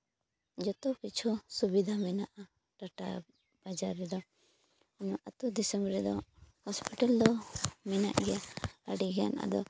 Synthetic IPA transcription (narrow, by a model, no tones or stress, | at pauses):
d͡ʒɔt̪ukit͡ʃʰusubid̪ʱamɛnaʔa | ʈaʈa̰ | b̥ad͡ʒaɾːɛd̪ɔ | nɔʔat̪ud̪ɛsɛmbɾɛd̪ɔhɔspiʈald̪ɔmɛna̰ʔɡɛjaaɖiɡɛja̰naʔa̰d̪ɔ